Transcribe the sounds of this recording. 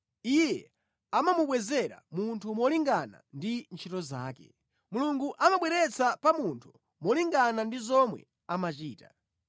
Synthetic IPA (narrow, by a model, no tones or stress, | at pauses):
ijɛ | amamuɓwɛzɛɾa̰muntʰumɔliŋɡana̰ndint͡ʃʰitɔza̰ːkɛ̰ | muluŋɡuʔamaɓwɛɾɛt͡sʰapamuntʰu̥ | mɔliŋɡanandizɔmwɛ̰ | amat͡ʃiːta